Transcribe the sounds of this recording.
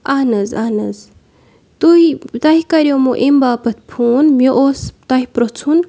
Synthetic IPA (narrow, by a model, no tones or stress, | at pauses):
aːnɐzaːnɐz | t̪uit̪ɐikɐɾjomoʔembaːpɐt̪̚ʰpʰuːnmjoʔost̪ɐɦipɾot͡sʰun